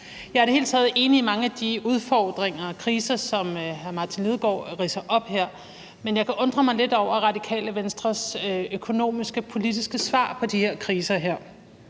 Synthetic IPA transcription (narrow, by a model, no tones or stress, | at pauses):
jɑ̈ɪæɐd̥ehe̝ːlt͡sʰɛːð̩ˠe̝ːniːmɑ̈ŋəæd̥iuð̞ˠfɒːd̥ʁeŋɐkʰʁiːsɐsɒ̽mhæɐmɑ̈ːt͡sʰinlið̞ˠɡ̥ɒ̰ːʁiːsɐʔɒ̽b̥heɐ̰ | menjɑ̈ɪkʰæʔɔ̽nd̥ʁɐmɑ̈ɪle̝d̥ɒʊ̰ɐʁɑ̈d̥ikʰɛ̰ːləʋensd̥ʁɐsøkʰo̝no̝̰ːmisɡ̥əpʰo̝lid̥isɡ̥əsʋɑ̰̈ːpʰɒ̽d̥iheɐ̰kʰʁiːsɐɦeɐ̰